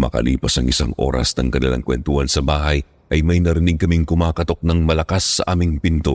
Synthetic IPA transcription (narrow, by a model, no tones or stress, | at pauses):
mɐ̰kɐ̰lḭːpɐsɐŋʔɪsaŋʔo̞̰ːɾɐ̰snɐŋkɐnɪ̰la̰ŋkwɛ̰nt̪ʊhɐnsɐbaːhɐj | ʔɐjmɐjnɐɾɪniɡ̚kɐmiŋkʊmaːkɐt̪o̞k̚nɐŋmɐlɐkasːɐ̰ʔaːmɪŋpɪnt̪o̞